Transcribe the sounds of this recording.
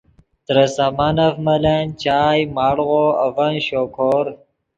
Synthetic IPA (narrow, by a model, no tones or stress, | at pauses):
t̪ɾɐsamanɐfmɐlant͡ɕaːjmaːɽʁoɐvɐnɕokʰoːɾ